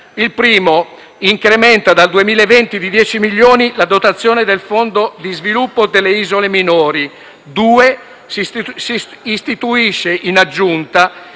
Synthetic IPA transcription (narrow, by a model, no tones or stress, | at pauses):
ilpɾiːmo | iŋkɾemɛnt̪ad̪ald̪uemiːlevɛnt̪id̪id̪jɛːt͡ʃimiʎːoːnilad̪ot̪at̪sːjoːned̪elfond̪od̪izvilupːod̪elːeiːzoleminoːɾi | d̪uːe | siː | st̪it̪uiʃːeʔinad͡ʒːunt̪a